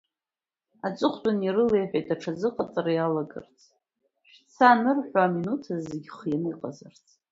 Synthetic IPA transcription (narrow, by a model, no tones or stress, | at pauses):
at͡sʷʼɨχʷtʼanirɨlejħʷᶣajtʰʼaʈ͡ʂʰazɨqʼat͡sʼaɾajalaɡɨ̰rt͡sʰʼ | ʃᶣt͡sʰanɨrħʷᶣaːminutʰazeɡʲχjaniqʼazart͡sʰʼ